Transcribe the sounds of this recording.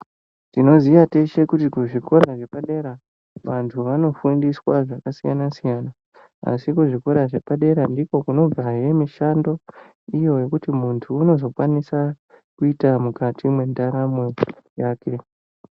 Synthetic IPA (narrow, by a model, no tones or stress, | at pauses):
tino̞zijate̞ʃe̞kutikuʐiko̞ɾaʐe̞paɗe̞ɾa | ʋantʰuʋano̞fundiswaʐakasijanasijana | a̰sikuʐikoɾaʐe̞paɗe̞ɾandiko̞kuno̞b͡vaje̞miʃando̞ | ijo̞je̞kutimuntʰuːno̞zo̞kwanisa | kuitamukatimwe̞ndaɾamwejaːkʰe̞